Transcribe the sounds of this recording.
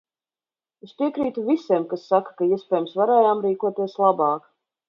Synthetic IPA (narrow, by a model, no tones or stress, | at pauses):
espʲiɛkɾiːt̪uvisɛmkasːakḁkaiɛspʲɛːjumsvaɾɛːjaːmɾiːkuɔt̪iɛslˠabɑːk